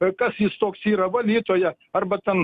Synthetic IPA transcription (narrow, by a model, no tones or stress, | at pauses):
kɐsist̪oːksiɾɐbɐlit̪oja | ɐɾbɐt̪ɐn